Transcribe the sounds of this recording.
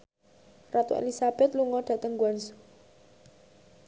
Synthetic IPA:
rat̪uḛlisab̥ɛt̪̚luŋɔɖ̥ä̤t̪əŋɡuansu̥

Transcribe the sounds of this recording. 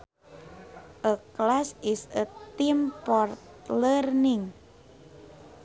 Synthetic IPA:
ʔəklasisət̪impɔrt̪ | lərniŋ

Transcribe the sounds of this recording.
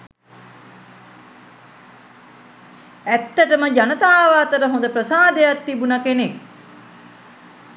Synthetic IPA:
æt̪ːəʈəməd͡ʒanət̪aːʋaːt̪əɾəɦond̪əprəsaːd̪ejat̪ːibunakenek

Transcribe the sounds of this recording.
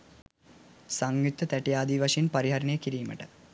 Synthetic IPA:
sɐŋɡut̪ːɐt̪æʈijaːd̪iːʋɐʂɐinpɐɾiɦɐɾɐnejekiɾiːmə̰ʈə̥

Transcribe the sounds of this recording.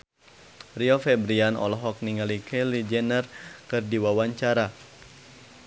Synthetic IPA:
riɔfɛbɾianɔ̰lɔɦɔk̚niŋalikʰɛlid͡ʒɛnərkɨrdiwawaɲt͡ʃaɾa

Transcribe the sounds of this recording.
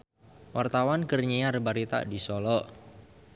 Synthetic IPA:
wart̪awankərɲiarbaɾit̪a̰ʔdisɔlɔʔ

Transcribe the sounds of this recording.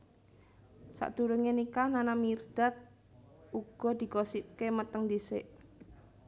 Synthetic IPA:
sa̰ʔd̪̥ṳɾəŋenikananamird̪̥a̤t̪̚ | uɡ̥ɔ̤d̪̥i̤kosip̚kemət̪əŋd̪isɪʔ

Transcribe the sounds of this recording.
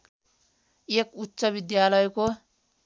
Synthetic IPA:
ekutːsʌbid̪jalʌjko

